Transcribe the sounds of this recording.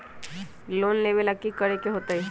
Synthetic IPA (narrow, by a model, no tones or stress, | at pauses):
loːnleːʋelɐkːikəɾekeɦoːt̪aɦe